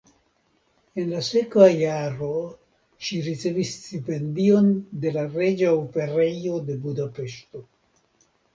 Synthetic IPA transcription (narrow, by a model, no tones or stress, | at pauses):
enlasekvajaɾo | ʃiɾit͡sevistipendio̞nd̪e̞laɾed͡ʒaope̞ɾejod̪e̞bud̪apeʃto